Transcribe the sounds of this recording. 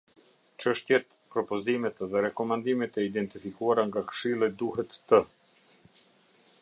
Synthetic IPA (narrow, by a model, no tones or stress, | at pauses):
t͡ʃəʃt̪jɛt̪̚ | pɾɔpɔzimɛt̪ðɛɾɛkɔmand̪imɛt̪ɛid̪ɛnt̪ifikuaɾaŋɡakə̥ʃilˠid̪uɦɛt̪ːə